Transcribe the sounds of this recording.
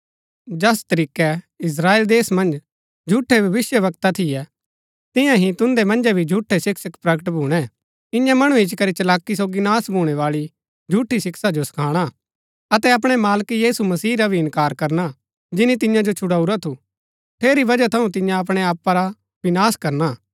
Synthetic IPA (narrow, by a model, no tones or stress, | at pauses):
d͡ʒɐst̪ɐɾiːkɛ | ɪs̬ɾaːeːld̪eːsmɐ̃nd͡ʒ | d͡ʒʱuːʈʰːɛbʱɐʋɪsjəʋɐk̚t̪at̪ʰɪjɛ | t̪ɪ̃jãɦĩt̪ʊ̃nd̪ɛmɐ̃nd͡ʒɛbʱid͡ʒʱuːʈʰːesɪksəkpɾɐkəʈbʱuːɽ̃ɛ | ɪ̃jãmɐɽ̃ũɪt͡ʃkɐɾit͡ʃɐlaːkːis̬oːɡinaːsbʱuːɽ̃ɛʋaːɭi | d͡ʒʱuːʈʰːisɪksad͡ʒosɐ̥kʰaːɽ̃a | ɐt̪ɛɐp̬ɽ̃ɛmaːlkijiːsumɐsiːɾabʱiɪ̃nkaːɾkɐɾna | d͡ʒɪnit̪ɪ̃jãd͡ʒot͡ʃʰʊɽaːuɾat̪ʰu | ʈ̪ʰeːɾibɐd͡ʒat̪ʰɐũt̪̬ɪ̃jãɐp̬ɽ̃eaːpːaɾa | bɪnaːskɐɾna